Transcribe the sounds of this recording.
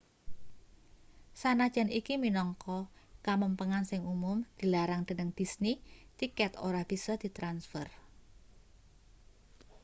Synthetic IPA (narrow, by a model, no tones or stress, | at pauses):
sanad̥ʒ̥a̤nikiminɔŋkɔkaməmpəŋansɪŋumʊmd̪̥i̤laɾaŋd̪̥ə̤nəŋd̥i̤snit̪ikɛt̪oɾahb̥isɔhd̪̥i̤t̪ɾansfər